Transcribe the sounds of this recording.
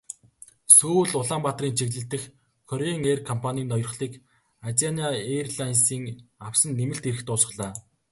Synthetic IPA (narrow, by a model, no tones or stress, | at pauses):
suːɮʊɮaːmpat̪riːnt͡ɕʰiɣɮɘ̆ɬt̪ɘ̆x | kʰɔɾeŋeːrkʰɔmpʰaniːnɔjɞ̆r̆χɮiːk | at͡sanʲiaerɮajnsiːŋawsə̆nːemɘ̆ɬt̪eɾɘ̆xt̪ʊːsə̆ɮaː